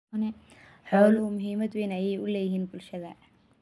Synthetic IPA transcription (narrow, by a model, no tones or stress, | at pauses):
nɛ | ħɔːlʊmʊɦiːmɐd̪weːnɐjɛjʊlɛːjɪɦiːnbʊlʃɐðɐ